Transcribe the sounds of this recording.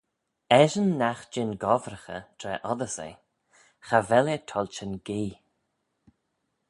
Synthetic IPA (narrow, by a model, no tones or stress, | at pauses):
ɛʒənːaxd͡ʒɪnɡɔvɾəxə̰t̪ʰɾɛʔɔðəsḛ | xavɛlət̪ʰɔlʲt͡ʃənɡiː